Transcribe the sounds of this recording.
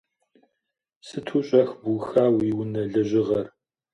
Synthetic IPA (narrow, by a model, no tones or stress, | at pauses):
sɨtʰuːɕʼɐxbuxaːwiwʊnɐɮɐʑɪʁɐr